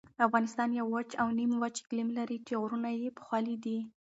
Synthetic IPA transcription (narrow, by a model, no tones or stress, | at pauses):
afɣɑnɪst̪ɑnjawat͡ʃawnimwat͡ʃklimlaɾit͡ʃeɣɾunajepə̥xwɑlid̪i